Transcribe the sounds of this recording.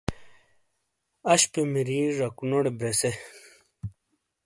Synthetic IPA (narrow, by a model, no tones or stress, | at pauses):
ɐɕpemiɾiɾɐkunoɽebɾese